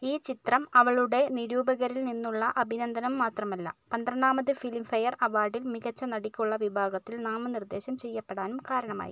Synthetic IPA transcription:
iːt͡ɕit̪rɐmɐʋɐɭuɽe̞niɾuːbɐɣɐɾilninːuɭːɐʔɐbʱinɐnd̪ʱɐnɐmːaːt̪rɐmɐlːɐ̰pɐnd̪rɐɳːaːmɐðɨfilimfɐjɐrɐʋaːɖilmiɣɐt͡ɕːɐnɐɽikʲːuɭːɐʋibʱaːɡɐt̪ːilnaːmɐnird̪e̞ːɕɐmt͡ɕe̞jːɐpːeɽaːnumkaːɾɐɳɐma̰ːjḭ

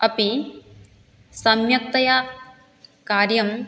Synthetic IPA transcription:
ɐpi | sɐmjɐk̚t̪ɐjaː | kaːɾjɐm

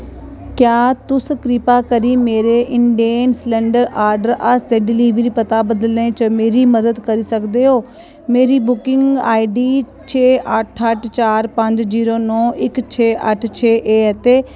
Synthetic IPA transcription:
kjaːt̪ʊskɾipakɐɾimeːɾeʔɪɳɖienslẽːɳɖəɾaːɾɖəɾʔɐst̪eɖɪliːʋɾipɐt̪abɐd̪əlẽt͡ʃɐmeːɾimɐd̪əd̪kɐɾisɐkd̪eɦoː | meːɾibʊkɪ̃ŋɡaːiɖiː | t͡ɕʰeːɐʈʰəʈʰt͡ʃaːɾpɐ̃ɲd͡ʒziːɾonɔːɪkt͡ɕʰeːɐʈʰt͡ɕʰeːʔeːt̪eː

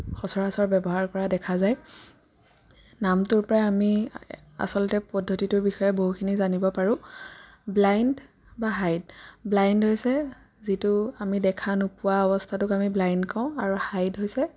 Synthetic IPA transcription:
xɔsɔɹasɔɹbɛbɔɦaɹkɔɹadɛkʰazaj | namtʊɹpɔɹajami | a̰sɔlɔtɛpɔdʱːotitʊɹbixɔjɛboɦukʰinizanibɔpaɹʊ̃ | blajnd | baɦajdblajndɦojsɛ | zitʊamidɛkʰanupuwaɔbɔstʰatʊkamiblajndkʰãʊ̃aɹuhajdɦojsɛ

